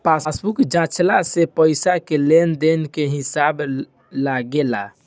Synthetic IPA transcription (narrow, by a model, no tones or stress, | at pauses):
pasbukd͡ʒãt͡ʃlasepəɪsakelend̪enkeɦisab | laɡela̰